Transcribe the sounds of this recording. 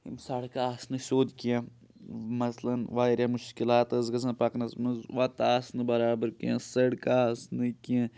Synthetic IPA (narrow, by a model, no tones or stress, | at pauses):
ḭmsaɽkaaːsnɨsoːd̪kijãː | mɐslɐnʋaːɾʲjamʊʃkilaːt̪ɐzɡɐzɐ̃npɐknɐsmɐzʋat̪aːsnɨbɐɾaːbəɾkḭjãsɐɽkaːsnɨkijã